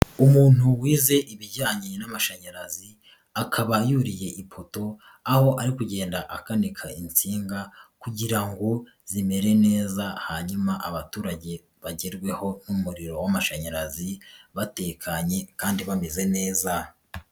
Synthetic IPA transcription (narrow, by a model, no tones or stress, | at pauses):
umuːn̥huwiːze̞ʔiβiɟaːɲinamaʃaɲaɾazi | akʰaβajuɾije̞ʔipʰo̞to̞ | aho̞ʔaɾikuɟe̞ːndaʔakanikʰaint͡siːŋɡakuɟiɾaŋɡo̞ | z̥ime̞ɾe̞ne̞ːzahaɲumaʔaβatuːɾaɟe̞ | βaɟeɾɡwe̞ho̞numuɾiɾo̞wamaʃaɲaɾaziβate̞ːkʰaɲe̞kaːndiβame̞ze̞ne̞ːza